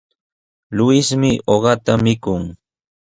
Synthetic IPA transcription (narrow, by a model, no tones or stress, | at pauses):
lʊɪsmɪoɢɑt̪amɪkʊŋ